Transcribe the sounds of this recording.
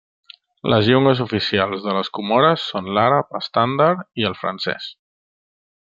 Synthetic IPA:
lʔəzʎuŋɡəzufisialˠzðələskumɔɾəsːonlaɾapəst̪and̪aɾiəlˠfɾə̰nsɛ̰s

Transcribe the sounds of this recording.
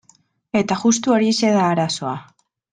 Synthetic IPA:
e̞t̪aʝus̬t̪uo̞ɾise̞ðaːɾaso̞a

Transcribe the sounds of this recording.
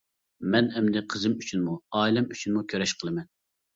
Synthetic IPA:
mɛnɛmd̪ɪqʰəzɨmyt͡ʃʰynmuɑːlˠɛmyt͡ʃʰynmukʲʰøɾɛʃqʰəlˠɨmɛn

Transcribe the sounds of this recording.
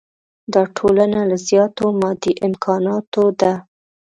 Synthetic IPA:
d̪ɑʈʰolanalazjɑt̪omɑd̪iʔɪmkʰɑnɑt̪od̪a

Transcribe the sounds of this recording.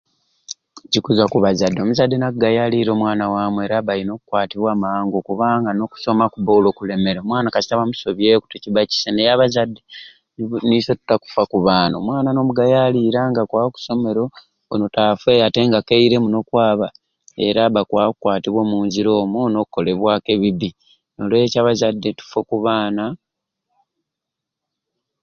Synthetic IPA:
cikuzakuβazadːemuzadːenak̚uɡajaliɾo̞ːmwaːnawaːmue̞ɾaβajino̞ːkukwaːtiβwaːmaaːŋɡo̞kuβaːŋɡano̞ku̥so̞makuβoːlo̞ːkule̞me̞ɾeomwaːnakasi̥taβamuso̞βje̞ːku̥teciβaci̥senejaβazadːe | niso̞tu̥taku̥fakuβaːno̰mwaːnano̞muɡajaliɾaŋɡakwaːoku̥so̞me̞ɾo̞ | onotafwejate̞ŋɡakeiɾe̞muno̞kwaːβa | e̞̰ɾaβakwakukwaːtiβwo̞ːmuːnziɾoːmunokukːo̞le̞βwake̞βiβi | no̞lecaβazadːe̞tu̥fokuβaːna

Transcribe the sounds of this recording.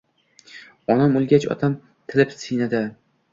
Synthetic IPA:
ɒnamolˠɡʲat͡ʃɒ̰t̪ʰam | t̪ʰɪlɪpsɪjnad̪ɪ

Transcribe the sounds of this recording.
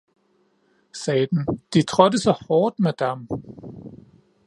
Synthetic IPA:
sɛːd̥nd̥it͡sʰʁɔdəsɒhɒːd̥mæd̥am

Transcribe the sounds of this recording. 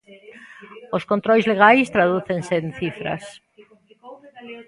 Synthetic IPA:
oskõnt̪ɾojzleɣ̞ajst̪ɾaðuθeŋsenθifɾɐ̰s

